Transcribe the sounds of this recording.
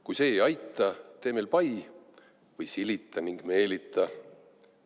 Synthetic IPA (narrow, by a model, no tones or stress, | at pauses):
kujse̞ːjɑjt̪ːˑɑt̪e̞ːme̞lpɑj | vɤjsilit̪ːˑɑniŋɡ̥me̞ːlit̪ːˑɑ